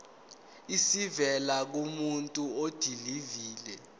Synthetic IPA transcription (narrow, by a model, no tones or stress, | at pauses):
isivɛlak̬umuntʼuod̥ʱiliviːlɛ